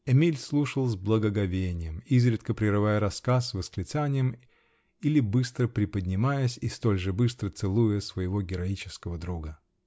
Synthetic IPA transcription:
ɛmʲilʲslˠuʂəlˠzblˠəɡəɡɐvʲenʲɪjəmizɾʲɪt̪kəpɾʲɪɾɨvajəɾɐskasvəsklʲɪt̪sanʲɪjəm | ilʲɪbɨst̪ɾəpɾʲɪpədʲnʲɪmajəsʲist̪o̞lʲʐɨbɨst̪ɾət̪sɨlˠujəsvəjɪvo̞ɡʲɪɾɐit͡ɕɪ̥skəvəd̪ɾuɡə

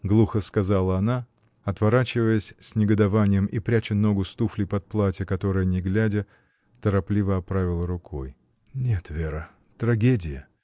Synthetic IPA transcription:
ɡlˠuxəskɐzalˠəɐna | ɐt̪vɐɾat͡ɕɪvəjəsʲsʲnʲɪɡəd̪ɐvanʲɪjəmʔipɾʲæt͡ɕɪno̞ɡʊst̪uflʲɪpɐt̪̚plˠatʲəkɐt̪o̞ɾɨjənʲɪɡlʲædʲə | t̪əɾɐplʲivəɐpɾavʲɪlˠəɾʊkʰo̞j | nʲe̞t̪vʲe̞ɾə | t̪ɾɐɡʲedʲɪjə

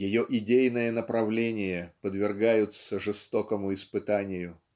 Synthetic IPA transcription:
jɪjoʔɪdʲejnəjənəpɾɐvlʲenʲɪjəpəd̪vʲɪrɡajʊt̪səʐɨst̪o̞kəmʊɪspɨt̪anʲɪjʊ

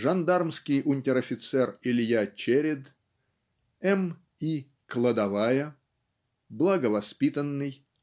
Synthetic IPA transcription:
ʐɐnd̪armskʲɪjʊnʲtʲɪɾɐfʲɪt̪sɛrɪlʲjat͡ɕeɾʲɪd̪ | ɛm | i | klˠəd̪ɐvajə | blˠəɡəvɐspʲit̪ənːɨj

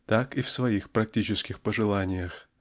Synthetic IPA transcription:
t̪akifsvɐixpɾɐk̚tʲit͡ɕɪskʲɪxpəʐɨlˠanʲɪjəx

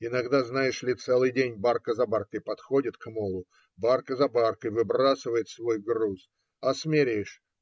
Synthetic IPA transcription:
ɪnɐɡd̪aznajɪʂlʲɪt̪sɛlˠɨjdʲenʲbarkəzɐbarkəjpɐt̪xo̞dʲɪt̪kmolˠʊ | barkəzɐbarkəjvɨbɾasɨvəjɪt̪svo̞jɡrus | ɐsmʲɪɾʲiʂ

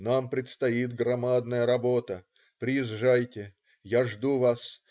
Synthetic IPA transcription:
nampɾʲɪt̪st̪ɐit̪̚ɡɾɐmad̪nəjəɾɐbo̞t̪ə | pɾʲɪjɪzʐajtʲɪ | jaʐd̪uvas

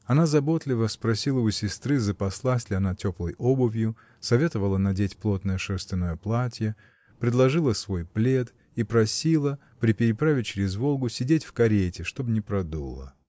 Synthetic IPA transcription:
ɐnazɐbo̞t̪lʲɪvəspɾɐsʲilˠəʊsʲɪst̪ɾɨzəpɐslˠasʲlʲɪɐnatʲoplˠəjobəvʲjʊ | sɐvʲe̞t̪əvəlˠənɐdʲetʲplˠo̞t̪nəjəʂɛrst̪vʲɪnojəplˠatʲjə | pɾʲɪd̪lˠɐʐɨlˠəsvo̞jplʲe̞t̪ | ipɾɐsʲilˠə | pɾʲɪpʲɪɾʲɪpɾavʲɪt̚ʲt͡ɕɪɾʲɪzvo̞lˠɡʊsʲɪdʲetʲfkɐɾʲetʲɪʂt̪o̞bnʲɪpɾɐd̪ṵlˠə̰

